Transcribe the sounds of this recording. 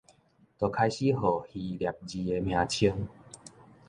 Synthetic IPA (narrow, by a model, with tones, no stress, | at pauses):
t̪o˨˩kʰa˧jɕi˦ɦɔ˨˩hi˧lja˨˩p̚d͡ʑi˧e˧mj̃ã˧t͡ɕʰi˦əŋ